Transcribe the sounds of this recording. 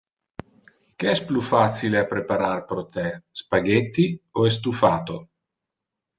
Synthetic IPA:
k̟eɛsplufat̪sileapɾepaɾarpɾot̪ɛspaɡet̪ːioes̬t̪ufaːt̪o

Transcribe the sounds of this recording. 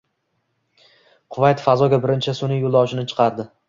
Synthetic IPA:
qʰʊvajt̪fazɒɡʲabɪɾɪnt͡ʃʰasʊnɪjolˠd̪ɒwʃɪnɪt͡ʃʰɨ̥qʰɑɾd̪ɪ

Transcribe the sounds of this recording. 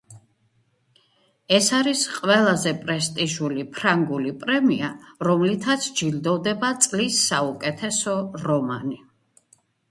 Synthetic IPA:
ɛsaɾisqʼwɛlˠazɛpʼɾɛst̪ʼiʒulipʰɾaŋɡulipʼɾɛmiaɾɔmlit̪ʰat̪sʰd͡ʒild̪ɔvd̪ɛbat̪sʼlisːaukʼɛt̪ʰɛsɔɾɔmani

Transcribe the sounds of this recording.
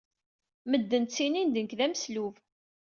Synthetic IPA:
məd̪ːənt͡sːinind̪ənkðæməsluv

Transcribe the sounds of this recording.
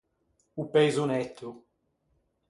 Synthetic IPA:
upejzunɛt̪ʰːu

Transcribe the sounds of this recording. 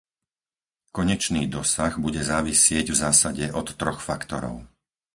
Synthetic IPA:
kɔɲɛt͡ʃniːd̪ɔsaɣbuɟɛzaːʋisɪɛɟvzaːsaɟɛʔɔt̪ːɾɔxfakt̪ɔɾɔ̰ʊ

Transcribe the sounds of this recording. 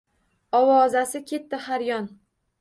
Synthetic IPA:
ɒwɒzasɪkʲʰe̞t̪ːɪhaɾjɒn

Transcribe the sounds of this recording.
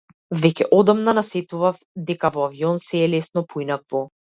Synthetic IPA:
vɛcʲɛʔɔd̪ɔmnanasɛt̪uvaf | d̪ɛkavɔaviɔnsɛːlɛsnɔpʰɔinakvɔ

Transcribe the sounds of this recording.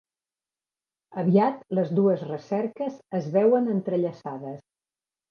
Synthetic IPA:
əβ̞iat̪ləzðuəzrəsɛɾkəzəzβɛwənənt̪ɾəʎəsaðəs

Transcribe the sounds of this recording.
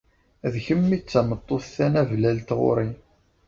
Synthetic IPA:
ðçəmːit͡sːæmət̪ˤːoθθænævlælt̪ʁo̰ɾˤi

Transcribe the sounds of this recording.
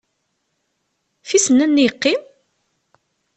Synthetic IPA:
fisənːənːijəqːim

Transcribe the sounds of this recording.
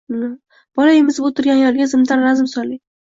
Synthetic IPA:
b̥ɒlaemɪzɪbot̪ʰʊɾɡʲanjɒlˠɡʲazɪmd̪anɾazɪmsɒli

